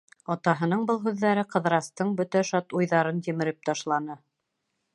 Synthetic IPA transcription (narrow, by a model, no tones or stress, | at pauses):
ɑt̪ɑɦɤ̆nɤɴbɤlˠɦʉðːæɾɘqɤ̆ðɾɑst̪ɤɴbɵt̪æʃɑt̪ujðɑɾɤnt̪imɘ̆ɾɘp̚t̪ɑʃlˠɑnɤ